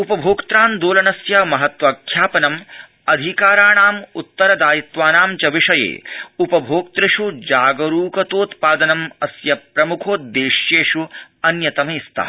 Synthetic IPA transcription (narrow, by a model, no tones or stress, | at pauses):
upɐbʱoːkt̪ɾaːnd̪oːlɐnɐsjɐmɐɦɐt̪ʋɐkʰjaːpɐnɐm | ɐd̪ʱikaːɾaːɳaːmut̪ːɐɾɐd̪aːjit̪ʋaːnaːmt͡ʃɐʋiʂɐjḛːupɐbʱoːk̚t̪ɾɪʂud͡ʒaːɡɐɾuːkɐt̪oːt̪paːd̪ɐnɐmɐsjɐpɾɐmukʰoːt̪̚d̪eːʃjeːʂuɐnjɐt̪ɐmeːst̪ʰɐ̰ː